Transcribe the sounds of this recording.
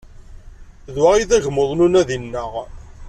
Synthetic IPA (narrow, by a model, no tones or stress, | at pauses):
ðwaʁiθæʝəmoðˤnunæðinːəʁ